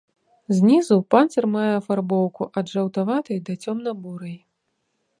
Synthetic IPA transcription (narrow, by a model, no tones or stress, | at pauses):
zʲnʲizupansɐrmajɛɐfarbɔwkuʔɐd̪ʐɐwt̪avat̪ɐjd̪ɐt͡sʲɔmnɐbuɾɐj